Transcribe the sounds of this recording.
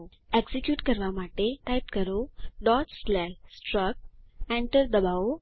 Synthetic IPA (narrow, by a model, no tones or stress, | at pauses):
eɡsikjuːʈkəɾʋamaʈeʈajp̚kəɾoɖɔʈslɛsʈɾək̚ɛ̃ɳʈəɾd̪əbao